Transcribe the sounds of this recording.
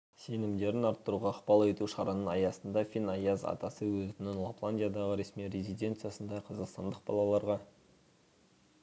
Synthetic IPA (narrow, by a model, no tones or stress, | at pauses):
se̞nɪmd̪e̞ɾɪnɑɾt̪ːəɾuʁɑːqpɑlˠet̪uʃɑɾɑnənɑjɑsənd̪ɑfʲinɑjɑzɑ̰t̪ɑsəwɵzt̪ɪnɪnlˠoplˠanʲd̪ʲijad̪ɑʁəɾe̞smijɾezijd̪ʲe̞nt̪sɨjasənd̪ɑqʰɑzɑqst̪ɑ̰nd̪əq̚bɑ̰lˠɑlˠɑɾʁɑ